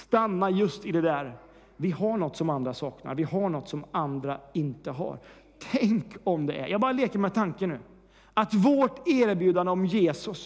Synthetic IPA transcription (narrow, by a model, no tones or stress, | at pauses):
st̪anːajɵst̪ɪd̪ɛd̪æɾ | vɪhaɳɔt̪ːsɔmand̪ɾasɑːkna̰ɾvɪhaɳɔt̪ːsɔmand̪ɾaɪnt̪əɦa̰ɾ | t̪ʰɛŋkʰɔmd̪ɛʔɛ̰ɾjʔɑːɡbɑːɾaleːkəɾmɛt̪ʰaŋkənːʉ̟ː | at̪voʈeːɾbjʉːd̪and̪əɔmjeːsɵs